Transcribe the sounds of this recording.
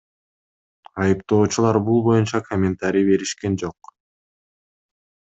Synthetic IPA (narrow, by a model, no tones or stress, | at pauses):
ɑjɯpt̪o̞ːt͡ʃulˠɑɾbulˠbo̞junt͡ʃɑkʰomʲɪnt̪aɾʲibe̞ɾiʃke̞nd͡ʒo̞q